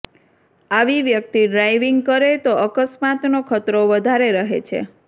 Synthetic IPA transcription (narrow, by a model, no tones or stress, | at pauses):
aʋiʋjək̚t̪iɖɾajʋiŋɡkəɾet̪oʔəkəsmat̪nokʰət̪ɾoʋəd̪ʱaɾeɾəɦḛt͡ʃʰḛ